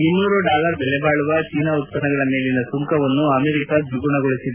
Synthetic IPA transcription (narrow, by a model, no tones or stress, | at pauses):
inːuːɾuɖaːlɐɾbɛlɛbaːɭuʋɐt͡ʃiːnɐut̪̚ːɐnɐɡɐɭɐme̞ːlinɐsuŋkɐʋɐnːuɐmeɾikɐd͡ʒuɡuɳɐɡoɭisid̪e